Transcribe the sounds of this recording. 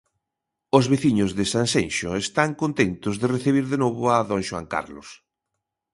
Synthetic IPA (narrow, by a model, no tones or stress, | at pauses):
ozβeθiɲʊzðɪsansenʃʊest̪aŋkont̪ent̪ʊzðereθiβ̞iɾðenoβʊaðonʃoa̰ŋka̰ɾlʊs